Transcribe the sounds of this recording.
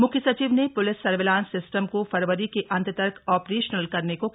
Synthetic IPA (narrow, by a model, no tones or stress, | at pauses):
mʊkʰjəsɐt͡ʃiːʋnepʊlɪsːɐɾʋɪlãːnsɪsʈəmkofɐɾʋəɾikeʔɐ̃nt̪ət̪ɐɾkʰɔːpɾeːʃnəlkɐɾneko